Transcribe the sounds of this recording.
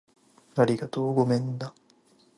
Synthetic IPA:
aɾʲiɡat̪oːɡomẽ̞nd̪a

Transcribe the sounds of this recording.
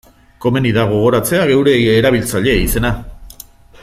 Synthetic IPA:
ko̞me̞niðaɣ̞o̞ɣ̞o̞ɾat͡se̞aɣe̞wɾe̞ːɾaβ̞ilt͡saʎe̞ise̞na

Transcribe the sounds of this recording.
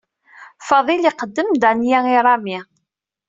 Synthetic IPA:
fɑðˤiliqəd̪ːəmd̪ænjæiɾˤɑmi

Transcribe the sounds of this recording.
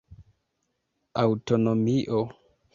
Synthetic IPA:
awtonomiʔo

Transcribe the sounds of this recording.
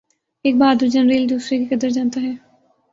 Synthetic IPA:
eːk̚baːd̪uɾd͡ʒənɾiːld̪uːsɾekekɐd̪əɾd͡ʒaːnt̪aɦɛː

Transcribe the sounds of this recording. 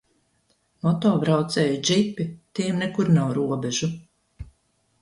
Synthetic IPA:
mɔt̪ɔːbɾawt̪sɛːjud͡ʒipːit̪iɛmnɛkuɾnawɾuɔbɛʒu

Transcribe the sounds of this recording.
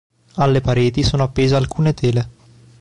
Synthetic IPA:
alːepaɾeːt̪isoːnoapːeːzealkuːnet̪ʰeːle

